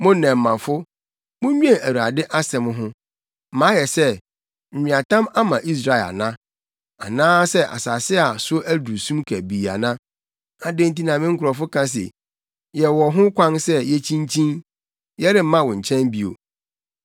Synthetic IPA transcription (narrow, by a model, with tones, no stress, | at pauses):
mʊ̃˦nɛ̃˨m̩˨mã˨fʊ˦ | mʊ̃˦ɲᶣ˦ɛ̃˦˨æ˨wu˨a˨dɪ˦ʔa˦sɛ̃˨mɦʊ̃˦ | m˨mãː˨˦jɛ˨sɛ˦ | m̩˨ɲĩ˨a˨tã˦ma˦mã˨ʔi˦s̬ɾa˦˨ɛ˨la̰˨nã˦ | a˨nãː˦sɛ˦ʔa̰˨sa˨sɪ˦a˨sʊ˦ʔæ˦du˨sũ˦mkʰæ˨bi˨a̰˨nã˦ | a˨dẽ˦n˦t̬i˦nã˨mɪ̃˦ŋ̩˦kʰʊ˨ɾɔ˨fʊ˦kʰã˦s̬ḛ˨ | jɛ˨wɔ˨ɦʊ̃˦kʷã˦nsɛ˦jɛ˦t͡ɕʰĩ˦n˦t͡ɕʰĩ˦n | jɛ˦ɾɪ˨m̩˦mã˦wɔ̃˨ɲ̩˨t͡ɕʰɛ̃˦mbi˨o̰˨